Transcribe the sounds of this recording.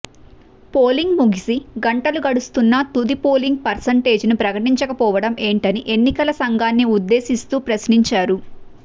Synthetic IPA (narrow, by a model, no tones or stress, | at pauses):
poːliŋɡmuɡisiɡɐɳʈɐluɡɐɽust̪unːɐt̪ud̪ipoːliŋɡ̚pɐɾsɐɳʈe̞ːd͡ʒnupɾɐkɐʈiɲt͡ʃɐkɐpɔːʋɐɽɐme̞ːɳʈɐniʔe̞nːikɐlɐsɐŋɡaːnːiud̪ːe̞ːsist̪uːpɾɐsniɲt͡ʃaːɾu